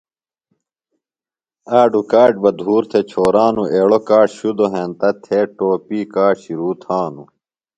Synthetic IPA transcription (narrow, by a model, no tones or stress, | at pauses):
aːɖukaːʈ̚bɐd̪ʱuːɾt̪ʰet͡ɕʰoːɾaːnueːɽokaːʈɕud̪oɦẽːnt̪ɐt̪ʰeʈoːpiːkaːɕiɾuːt̪ʰaːnu